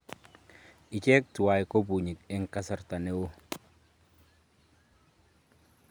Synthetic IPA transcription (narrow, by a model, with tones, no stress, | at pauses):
ɪ˨t͡ʃɛ˦k̚tu˨wa˨jko˦bu˨ɲi˨k̚ɪ˦ŋka˦sa˨rta˨ne˦wo˦